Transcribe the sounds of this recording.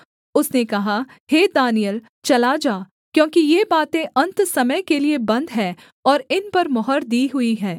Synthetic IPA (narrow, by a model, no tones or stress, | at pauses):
ʊsnekɐɦa | heːd̪aːnijəl | t͡ʃɐlad͡ʒaː | kjõːkijeːbaːt̪ẽʔɐ̃nt̪sɐməjkeliebɐ̃nd̪ɦɛː | ɔːɾɪnpɐɾmɔɦəɾd̪iːɦʊiɦɛː